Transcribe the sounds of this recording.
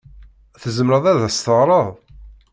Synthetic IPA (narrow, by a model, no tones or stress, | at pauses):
θəzəmɾəðˤæðæst̪əʁɾˤəðˤ